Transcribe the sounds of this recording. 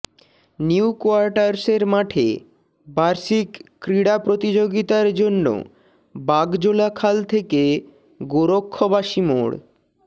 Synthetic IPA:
niukoaɾʈaɾseɾmaʈʰḛ | baɾʃikː | ɾiɽapɾot̪id͡ʑoɡit̪aɾd͡ʑonːo̰ | baɡd͡ʑolakʰalt̪ʰeke | ɡoɾokʰːobaʃimo̰ɽ

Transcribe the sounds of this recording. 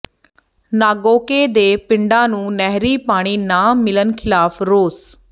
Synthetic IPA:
naːɡoːkeːd̪eːpɪɳɖãːnũːnɛɦɾiːpaːɽ̃iːnaːmɪlənkʰɪlaːpʰɾoːs

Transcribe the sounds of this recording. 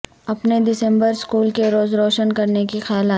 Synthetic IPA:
ɐpnedɪsɛ̃mbəɾskuːlkeɾoːzɾɔːʃənkɐɾnekixaːlaː

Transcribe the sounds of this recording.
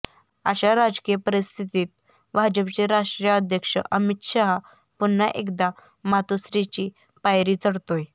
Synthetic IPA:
ə̰ɕaɾad͡zkijəpəɾist̪ʰit̪iːt̪̚ | bʱad͡ʑəpt͡ɕeɾaʂʈɾijəəd̪ʱjəkʂə̰ʔəmit̪ɕaɦa | punːaʔekd̪a | mat̪osɾit͡ɕiː | pajɾiːt͡səɽt̪oj

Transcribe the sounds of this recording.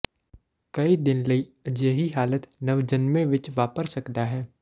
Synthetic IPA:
kɐid̪ɪnlɐiɐd͡ʒjəɦiɦaːlət̪nɐʋd͡ʒɐnmẽʋɪt͡ʃʋaːpəɾsɐkd̪aɦɛː

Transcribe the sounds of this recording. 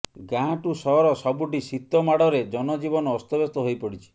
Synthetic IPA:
ɡãɦãʈusɔɦɔɾɔsɔbuʈisit̪ːɔmaɽɔɾed͡ʒɔnɔd͡ʒibɔnɔːst̪ɔbest̪ɔɦojpɔɽit͡ʃʰi̥

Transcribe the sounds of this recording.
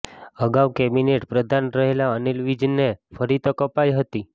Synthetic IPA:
əɡaʋkemineʈpɾəd̪ʱanɾəɦelaənilʋid͡ʒnefʰəɾit̪əkəpajɦət̪i

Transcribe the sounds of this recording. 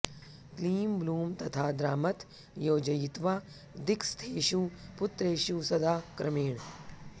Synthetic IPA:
kliːmbluːmt̪ɐt̪ʰaːd̪ɾaːmɐt̪ | joːd͡ʒɐjit̪ʋaː | d̪ɪkst̪ʰeːʃupʊt̪ɾeːʃusɐd̪aːkɾɐmeːɳ̃

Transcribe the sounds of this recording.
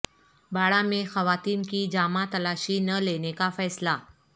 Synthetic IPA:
baɽamexəʋat̪iːnkiːd͡ʑamat̪əlaɕiːnəlenekafɛsla

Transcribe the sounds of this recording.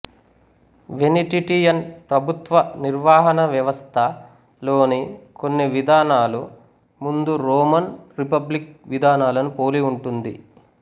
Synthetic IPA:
ʋeniʈiʈijɐnpɾɐbʱut̪ʋɐniɾʋaːɦɐnɐʋjɐʋɐst̪ʰɐ | lo̞ːnikonːiʋid̪ʱaːnaːlu | mund̪uɾoːmɐnɾipɐblik̚ʋid̪ʱaːnaːlɐnupo̞ːliuɳʈund̪ḭ

